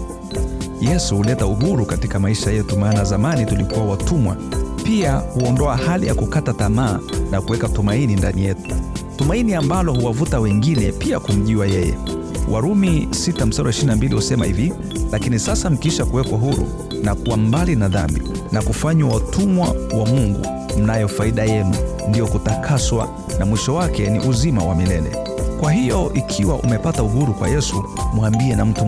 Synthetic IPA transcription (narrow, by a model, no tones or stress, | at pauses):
jɛsuhulɛtauhuɾukatikamaiʃajɛtumaːnazamanitulikuwawatumwa̰piahuɔndɔahalija̰kukatatamaːnakuwɛkatumaininda̰nijɛtu̥tumainiambalɔhuwavutawɛŋɡinɛpiakum̩ʄiwajɛjɛ̰ | wʔaɾumisitam̩saɾaiʃiɾinambilihusɛma̰hḭvi | lakinisasam̩kiiʃakuwɛkwaɦuɾṵ | nakuwam̩balinaða̰mbḭ | nakufaɲwawatʰumwawamuŋɡṵ | m̩najɔfaiɗajɛnṵ | ndijɔkutakʰaswa̰ | namwiʃɔwakɛnḭʔuzimawamilɛlɛ̰ | kwaɦijɔʔikʰiwaʔṵmɛpatauɦuɾukwa̰jɛsu | muambiɛnam̩tu